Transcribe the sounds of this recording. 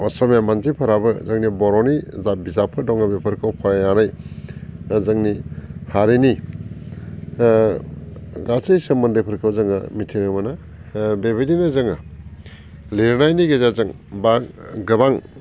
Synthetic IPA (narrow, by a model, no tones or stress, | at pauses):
ɔsɔmjamanzipʰɐɾabɯzɐŋnibɔɾɔnizabizapʰɯdɔŋabepʰɐɾkʰawpʰɐɾajanaj | zaŋnihaɾeni | ɡasɯjsɯmːɯndepʰɐɾkʰɯwzɐŋɯmitʰiŋɯmana | bebedinazɯŋɯ | liɾnajniɡezazɯŋ | baɡɯbaŋ